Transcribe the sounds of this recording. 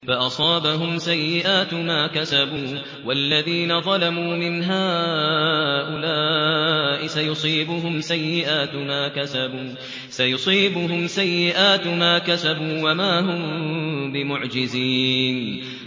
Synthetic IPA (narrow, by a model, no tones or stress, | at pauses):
faʔɑsˤɑːbaɦʊmsajːɪʔaːt̪maːkasabuː | walːaðiːnaðˤɑlamuːmɪnɦaː | ʔʊlaːʔɪsajʊsˤiːbʊɦʊmsajːɪʔaːt̪maːkasabuː | sajʊsˤiːbʊɦʊmsajːɪʔaːt̪maːkasabuːwamaːɦʊmbɪmʊʕd͡ʒɪziːn